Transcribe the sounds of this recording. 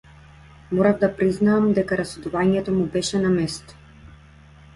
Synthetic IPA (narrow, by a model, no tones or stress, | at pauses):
mɔɾavd̪apɾiznaːmd̪ɛkaɾasɛd̪uvaɲɛt̪ɔmubɛʃɛnamɛst̪ɔ̥